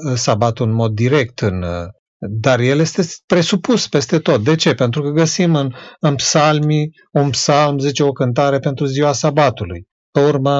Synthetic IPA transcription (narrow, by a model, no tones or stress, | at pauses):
sabat̪unmo̞d̪ːiɾe̞k̚t̪ɨn | d̪arje̞lje̞st̪e̞pɾe̞supuspe̞st̪e̞t̪o̞t̪̚d̪e̞t͡ʃe̞pe̞nt̪ɾukəɡəsimɨnɨnpsalmi | unpsalmzit͡ʃe̞o̞kɨnt̪̬aɾe̞pe̞nt̪ɾuziwasabat̪uluj | peurmə